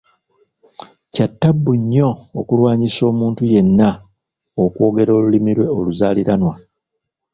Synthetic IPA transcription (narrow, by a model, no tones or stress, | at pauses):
catːabːuɲːo̞ːkulwaːɲiso̞ːmuːntuje̞nːa | okwo̞ːɡe̞ɾo̞ːlulimiɾwe̞o̞luzaːliɾanwa